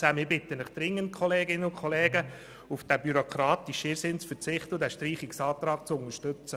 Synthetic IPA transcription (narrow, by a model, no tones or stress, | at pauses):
t͡sæmɪbɪt̪ːənəχd̥̪ɾɪŋːənt̚kʰɔleːɡɪnəʊkʰoleːɡə | ufd̥æbyɾokʰɾɑːt̪iʃɪɾsɪnt͡sfəɾt͡sɪχt̪əʊdæʃtɾiːχɪksɑːt̪ɾɑːk̚t͡sʊnəʃtɵt͡sə